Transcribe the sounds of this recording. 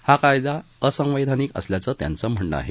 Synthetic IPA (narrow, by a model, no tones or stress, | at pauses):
hakajd̪a | əsə̃w̃ʋed̪ʱaniːkə̰sljat͡sət̪ja̰nt͡səm̤əɳɖə̰a̰ɦe